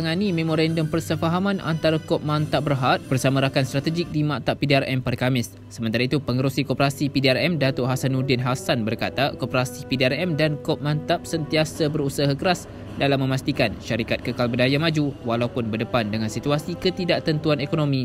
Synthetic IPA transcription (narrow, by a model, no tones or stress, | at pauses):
aŋanimemoɾandɔmpərsəfaɦamãnʔa̰nt̪aɾakɔp̚mãnt̪ap̚bərɦat̪̚b̥ərsamãɾakanst̪ɾat̪əd͡ʒɪk̚dimãʔt̪aʔpidearɛmpaɾəkamɪsːəmənt̪aɾait̪upəŋəɾusikɔpəɾasipidiarɛmdat̪ʊʔɦasanudɪnɦasanbərkat̪akopəɾasipidiarɛmdankɔp̚mãnt̪ap̚sənt̪iasabəɾusaɦakəɾas | dalamːə̃mast̪ikanʃaɾikat̪̚kəkalbədajamad͡ʒuwalaupʊnbərdəpandəŋãnsit̪uasikət̪idaʔt̪ənt̪uanekonomĩ